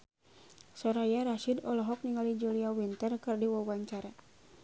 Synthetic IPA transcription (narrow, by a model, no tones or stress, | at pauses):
sɔɾajaɾaʃidɔlɔɦɔk̚niŋalid͡ʒuliawint̪ərkɨrdiwawaɲt͡ʃaɾa